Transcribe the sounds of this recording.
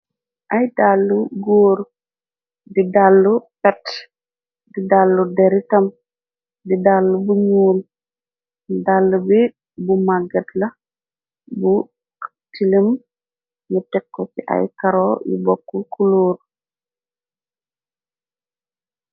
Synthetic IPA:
ʔɐjdalːuɡoːɾ | didalːupɛt | didalːudɛɾitɐm | didalːubuɲuːl | dalːubi | bumaɡɐtlɐ | bu | tilim | ŋutɛkːɔtiʔɐ̰jkɐɾɔjṵbɔkːukuloːɾ

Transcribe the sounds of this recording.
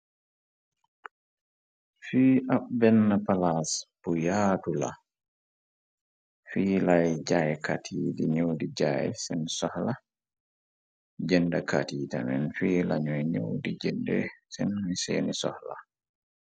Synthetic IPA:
fiːʔabɛnːapalasbujaːtula̰ | fiːlajd͡ʒajɛkatʰiːdiɲowdid͡ʒajɛ̰sɛnsɔhla | d͡ʒɛndaka̰tiːtamɛnfiːla̰ɲɔjɲo̰wdid͡ʒɛndɛ̰sɛnmisḛːnisɔ̰hla

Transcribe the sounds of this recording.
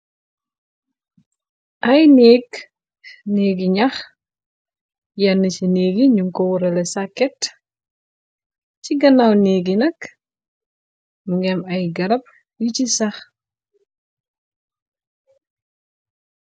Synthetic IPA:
ʔɐjneːɡ | neːɡiɲɐx | jɐnːət͡ʃineːɡiɲuŋkɔwuɾɐlɛsakːɛt | ciɡɐnawneːɡinɐk | muŋɡɛmɐjɡɐɾɐp̚ | jicisɐx

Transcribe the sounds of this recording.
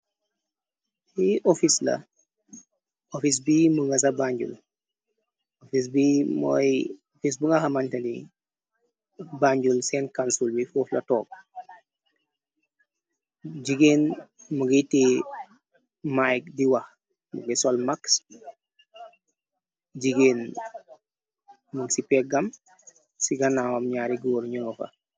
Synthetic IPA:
iʔɔfislɐ̰ | ofis̬biməŋɡɐs̬ɐbaɲɟṵl | ofis̬bimɔ̰jɔfis̬buŋɡaxamantɐnḭ | baɲɟulsɛːnkansulbifuːflɐ̰tɔːk̚ | d͡ʒiɡeːnmuɡiti | majk̚diwɐx | mṵɡisɔlmaks | d͡ʒiɡeːn | muɡsipɛːɡɐm | siɡɐnawamɲaːɾiɡɔːɾɲɔŋɔfɐ̰

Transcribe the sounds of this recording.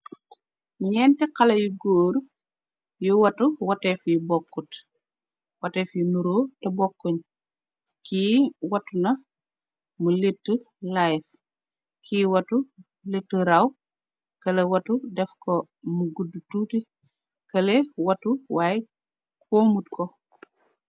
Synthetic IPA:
ɲɛːntɛkɐlɐjuɡoːɾ | juwɐtuwɐtɛfjubɔkːut | wɐtɛːfjunuɾoːtɐbɔkːɔɲ | kiːwɐtunɐ | muletːə | lajf | kiwɐtu | letːəɾɐw | kɐlewɐtudɛfko | muɡudututi | kɐlewɐtuwaːj | kʰoːmutkɔ

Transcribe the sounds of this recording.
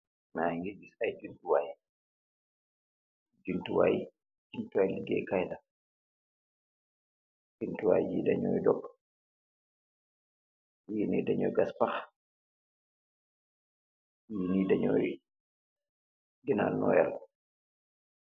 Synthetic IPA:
naŋɡid͡ʒisajd͡ʒuntuwaji | d͡ʒuntuwa̰ji | d͡ʒintuwajliɡɛ̰kajda | d͡ʒuntuwa̰jd͡ʒidaɲɔ̰jdɔk | jinidaɲɔ̰jɡaspax | jinidaɲɔj | ɡina̰lnɔ̰jal

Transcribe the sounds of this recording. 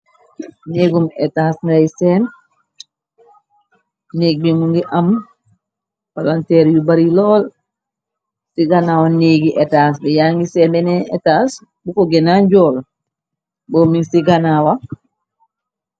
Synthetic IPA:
neːɡumɛtaːsŋɡajsɛːn | neːɡ̚bimuŋɡiʔam | palantɛːɾjubaɾilɔːl | siɡanawaneːɡiʔɛtaːs̬bɛjaːŋɡisɛːnbɛnɛetas | bukoɡɛnaɲɟɔːl | boːminsiɡanawa

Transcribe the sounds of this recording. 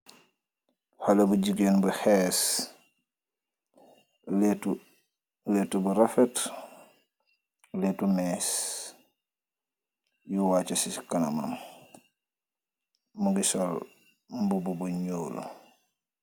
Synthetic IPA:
halɐbuɟiɡeːnbuxɛs | let | letubuɾafɛt | letumɛːs | juwaːt͡ʃɐsikana̰ma̰m | muɡisol | mbububuɲoːlṵ

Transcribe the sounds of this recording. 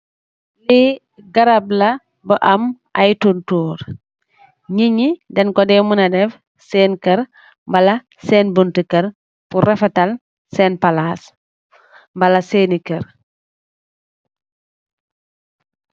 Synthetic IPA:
li | ɡɐɾablɐ | bəʔɐmʔajtuntuːɾ | ɲiɲidɐnkɔdɛmunɐdɛf | sɛːnkɐɾ | mbɐlɐ | sɛːnbuntikɐɾ | fuɾɛfɛtɐl | sɛːnpalas | mbɐlɐsenikəɾ

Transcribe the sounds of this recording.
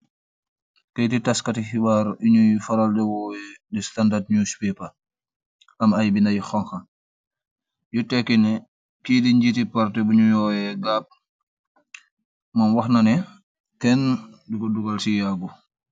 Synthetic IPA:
kɐjtitaskɐtixiwaɾiɲujifɐɾaldɛwɔːjɛdistandat̚ɲuspɛpɐ | ʔɐmɐjbinɐjixɔŋxɐn | jutɛkːinɛ | kidiɲd͡ʒitipaɾtɛbuɲujɔːjɛɡaːp̚ | mɐnwɐxnɐnɛ | kɛndukɔduɡɐlsijaɡu

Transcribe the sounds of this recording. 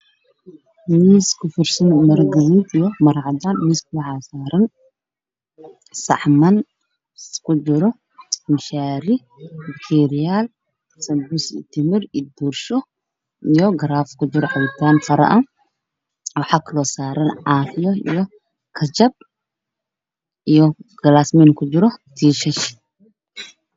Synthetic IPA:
miːskʰʊfɪrsɐnmɐɾɡɐziːd̪ijɔmɐɾʕɑd̪aːnmiːskʰʊwɐʕaːsaːɾɐn | sɐ̰ʕmɐn | kʰʊd͡ʒɪɾɔ | mɪʃaːɾɪ | ɪkt̪ʰɛːɾɪjal | sɐmbusɪ̰t̪ʰɪmɪɾɪd̪urʃɔ | ijɔɡɐɾaːfkʰʊt͡ʃɪɾɔħɑwit̪ʰaːnfɐɾɐ̰ʔɐ | ɔħɑkʰlɔːsaːɾɐnʕɑːfɪjɔḭjɔ | kʰɐt͡ʃɐb̚ | ʔijɔɡ̥ɐlaːsmɛnkʰʊt͡ʃɪɾɔt̪ʰiːʃɛʃ

